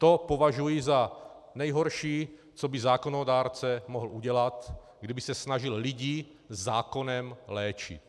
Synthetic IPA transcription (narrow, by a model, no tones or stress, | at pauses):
t̪opo̞vaʒujiza | nɛjɦoɾʃiː | t͡sobizaːko̞nodaːɾt͡sɛmoɦl̩uɟɛlat̪ | ɡdibɪsɛsnaʒilliɟiː | zːaːko̞nɛmlɛːt͡ʃɪ̰t̪